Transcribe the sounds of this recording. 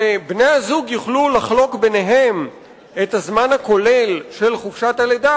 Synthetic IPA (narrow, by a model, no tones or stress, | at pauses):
ebnejazuɡjuχlulaχlo̞kbeneɦe̞m | ethazmanhako̞le̞lʃe̞lχufʃataled̪a